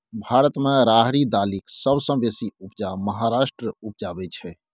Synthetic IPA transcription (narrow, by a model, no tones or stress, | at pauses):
bʱaɾət̪meɾaɦɽid̪aliksəbsə̃besiupd͡ʒaməɦaɾasʈɾəup̚d͡ʒabɛt͡ʃʰɛ